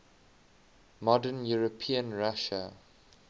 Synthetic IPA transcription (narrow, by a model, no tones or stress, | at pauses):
mɔdənjuɹəpʰiə̃nɹaʃə